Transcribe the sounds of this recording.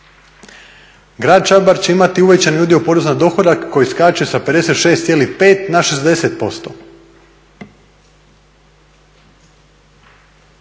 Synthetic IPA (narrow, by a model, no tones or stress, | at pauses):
ɡɾaːd̪̚t͡ʃabaɾt͡ɕe̞imat̪iuʋet͡ɕanjud̪jiupo̞ɾeznand̪o̞xod̪akːo̞jiskat͡ɕujesape̞d̪e̞se̞t̪ʃe̞ːst̪jelipeːt̪naʃe̞zd̪e̞set̪̚po̞st̪o̰